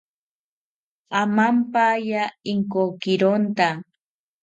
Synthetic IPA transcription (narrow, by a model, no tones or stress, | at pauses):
amampajaiŋkokɪɾont̪a